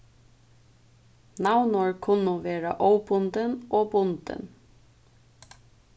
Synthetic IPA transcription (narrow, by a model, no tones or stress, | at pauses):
nawnɔɹkʰʊnːuːʋeːɾa̰ʔɔwbʊnd̪ənʔoːbʊnt̪ɪ̰n